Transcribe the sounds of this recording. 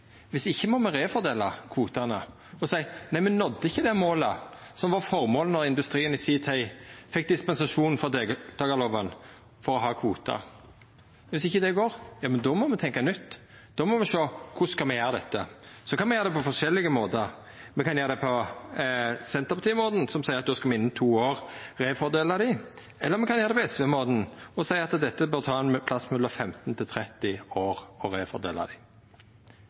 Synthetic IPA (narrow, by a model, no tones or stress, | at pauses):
ʋɪsɪçːəmɔmɛɾeːfɔɾd̪eːlɑkʰʋuːt̪ɑnə | ɔsæɪnæɪmɛnɔd̪ːəɪçːəd̪ɛmoːlə | sɔmʋɑʁfɔʁmoːlənɔɾɪnd̪ʉst̪ɾiːənɪsiːt̪ʰæɪfɛk̚d̪ɪspɛnsɑʂuːnfɔɾd̪ed̪̥ɑːɡɑloːʋən | fɔɾɔɦɑːkʰʋuːt̪ʰɑ̰ | ʋɪsɪçːəd̪ɛɡoːɾjɑːmɛnd̪ɔmɔmɛt̪ʰɛŋkɑnʏt̪ː | d̪̥ɔmɔmɛʂoːkʰʊskɑmɛjæːɾəd̪ɛt̪ːəsɔkɑnmɛjæːɾəd̪ɛpɔfɔʂɛlːɪɡəmoːd̪əɾ | mɛkʰɑnjøːɾd̪ɛpʰɔ | sɛnt̪əʁpʰɑt̪iːəmoːd̪n̩sɔmsæɪʁɑt̪̚d̪oːskɑmɛɪnːət̪ʰuːoːʁɾeːfɔɾd̪eːlɑd̪ɪ | ɛlːəɾmɛkɑnjøːɾd̪ɛpɔɛsʋeːmoːd̪n̩ɔsæɪɑt̪d̪ɛt̪ːəbøːɾt̪ʰɑːɛnmpʰlɑsmʉlːəɾfɛmt̪n̩t̪ʰɪlt̪ʰɾɛt̪ːɪoːɾɔɾeːfɔ̰d̪ḛːlɑ̰d̪ɪ